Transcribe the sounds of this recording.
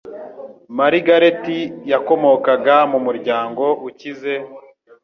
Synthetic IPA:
maɾiɡaɾetijako̞mo̞kaɡamumuɾɟaːŋɡo̞ʔucize̞

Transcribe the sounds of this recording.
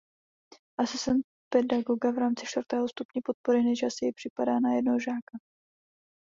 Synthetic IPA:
ʔasɪsɛnt̪̚ | pɛdaɡo̞ɡavɾaːmt͡sɪʃt̪vr̩t̪ɛːɦo̞st̪upɲɛpo̞t̪̚po̞ɾɪnɛʒasɪjɛpr̝̥ɪpadaːnajɛdnoɦoʒaːka

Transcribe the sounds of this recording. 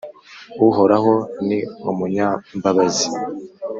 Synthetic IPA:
uɦoɾaɦoniumuɲambaβazi

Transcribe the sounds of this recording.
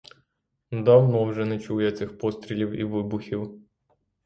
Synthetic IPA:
d̪ɐwnɔwʐɛnɛt͡ɕujɛt̪sɪxpɔst̪ɾʲɪlʲiwḭʋɨbʊxʲiw

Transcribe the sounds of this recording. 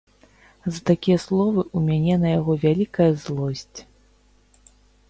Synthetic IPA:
zɐt̪akʲijɐslˠɔvɨʔumʲanʲɛnɐjaɣɔvʲalʲikɐjɐzlˠɔsʲt͡sʲ

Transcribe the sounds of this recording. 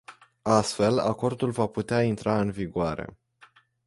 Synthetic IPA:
ast̪fe̞la̰ko̞rd̪ulvaput̪eaint̪ɾaɨnviɡoaɾe̞̰

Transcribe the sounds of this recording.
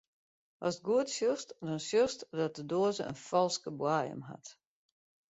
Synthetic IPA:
ʔɔst̚ɡuətsjostdɔnsjøstdɔt̚dədoːzəə̰nfɔlˠskəbwaːjə̰mɦa̰t

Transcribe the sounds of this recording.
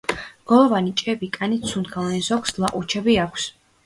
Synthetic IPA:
ɡ̥ɔlˠɔvanit͡ʃʼɛbikʼanit̪sʰunɡʰavanzɔkslˠaʔʼut͡ʃʰɛbiakʰs

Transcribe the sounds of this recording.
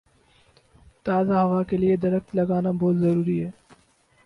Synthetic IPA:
t̪aːzaɦɐʋakelied̪ɐɾəxt̪lɐɡaːnabɔːt̪zɐɾuːɾiɦɛː

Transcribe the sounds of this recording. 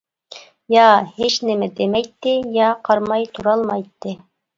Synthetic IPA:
jɑheʃnɪmɛd̪emɛjt̪ːɪjɑqʰɑɾmɑjt̪ʰuɾɑlˠmɑjt̪ːɨ

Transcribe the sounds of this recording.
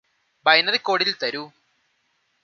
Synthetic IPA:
bɐjnɐðikːo̞ːɽililt̪ɐɾu

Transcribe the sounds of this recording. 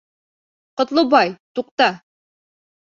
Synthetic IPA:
qŏt̪lˠɤbɑjt̪uq̚t̪ɑ

